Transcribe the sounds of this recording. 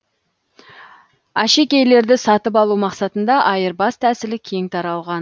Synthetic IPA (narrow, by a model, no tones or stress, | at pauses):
æʃe̞kʲe̞jle̞ɾd̪ɪsɑt̪əp̬ɑlˠumɑqsɑt̪ənd̪ɑʔɑjəɾbɑst̪ʰæsɪlɪkʲʰe̞ŋt̪ʰɑɾɑlˠʁɑn